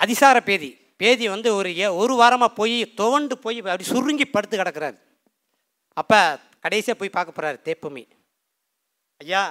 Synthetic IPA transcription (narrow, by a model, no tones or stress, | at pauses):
ɐðɪsaːɾɐpeːði | peːðiʋɐnd̪ɯɔɾɯɔɾɯʋaːɾɐmaːpoːjit̪ɔʋɐɳɖɯpoːjiɐpːɐɽisʊrːɯŋɡipːɐɽɯt̪ːɯkɐɽɐkːɯɾa̰ːɾ | ɐpːɐ | kɐɽɐɪsijaːpoːjpaːɾkɐpːɔːɾaːɾɯt̪eːpːɐmḭ | ɐjːaː